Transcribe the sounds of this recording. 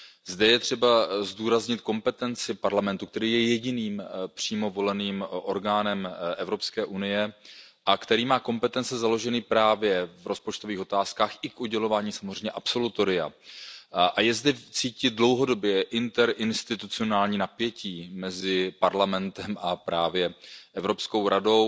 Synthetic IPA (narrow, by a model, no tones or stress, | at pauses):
zdɛjɛt̪r̝̥ɛbazduːɾazɲɪt̪ko̞mpɛt̪ɛnt͡sɪpaɾlamɛnt̪uk̚t̪ɛɾiːjɛjɛɟɪniːmpr̝̥iːmo̞vo̞lɛniːmʔo̞ɾɡaːnɛmʔɛvɾo̞pskɛːʔunɪjɛ | ʔakt̪ɛɾiːmaːko̞mpɛt̪ɛnt͡sɛzalo̞ʒɛnipɾaːvjɛvɾʔo̞spot͡ʃt̪oviːxo̞t̪aːskaːxʔɪkʔuɟɛlo̞vaːɲiːsamozrɛjmɲɛʔapso̞lut̪o̞ɾɪa̰ | ʔajɛzdɛt͡siːcɪt̪̚dlo̞wɦo̞do̞bjɛʔɪnt̪ɛɾʔɪnst̪ɪt̪ut͡sɪo̞naːlɲiːnapjɛciːmɛzɪpaɾlamɛnt̪ɛmʔapɾaːvjɛʔɛvɾopsko̞wɾado̞w